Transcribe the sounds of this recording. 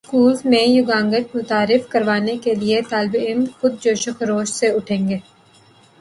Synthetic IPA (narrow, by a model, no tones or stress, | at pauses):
skuːlzmẽjʊɡãːŋɡət͡ʃmʊt̪aːɾɪfkɐɾʋaːnekeliet̪aːlbɪmxʊd̪̚d͡ʒoːʃəxɾoːʃseʊʈʰẽːŋɡeː